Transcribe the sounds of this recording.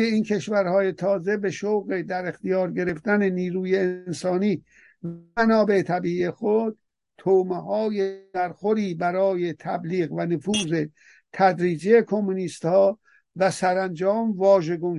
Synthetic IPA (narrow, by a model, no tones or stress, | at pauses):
einkʲʰe̞ʃvæɾhɒːje̞t̪ʰɒːze̞be̞ʃowɣe̞d̪æɾext̪ijɒːɾɡe̞ɾe̞ft̪æneniːɾuːjeːnsɒːniː | vænɒːbe̞t̪ʰæbiːiexod̪̚ | t̪ʰomehɒːjeæɾxoɾiːbæɾɒːje̞t̪ʰæbliːɣvænofuːze̞ | t̪ʰæd̪ɾiːd͡ʒejekʰomːuniːst̪hɒː | væsæɾænd͡ʒɒːmvɒːʒe̞ɡun